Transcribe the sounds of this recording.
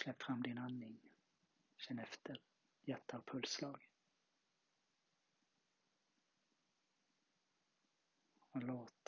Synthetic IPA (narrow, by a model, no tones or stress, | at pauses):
slɛpːfɾamːd̪ɪnanːɪŋ | ɕɛnːɛft̪ʰəɾ | jæt̪ʰːavpʰɵlslɑːɡ | ɔloːt̪